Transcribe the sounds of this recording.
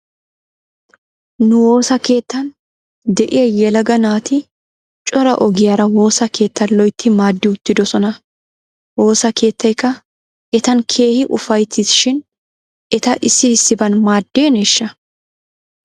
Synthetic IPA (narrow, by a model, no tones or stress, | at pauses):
nʊwo̞ːsɐke̞ːt̪ːɐn | d̪ɛʔɪjɐjɛlɐɡɐnaːt̪ɪ | t͡ʃʼɔɾɐʔɔɡɪjaːɾɐwo̞ːsɐke̞ːt̪ːɐnlɔjt̪ːɪmaːd̪ːɪʊt̪ːɪd̪ɔsɔnɐ | wo̞ːsɐkʰe̞ːt̪ːɐjkːɐ | ʔɛt̪ɐnkʰe̞ːhɪʔʊfɐjt̪ːɪsʃɪn | ʔɛt̪ɐʔɪsːɪhɪsːɪbɐnmaːd̪ːeːneʃːɐ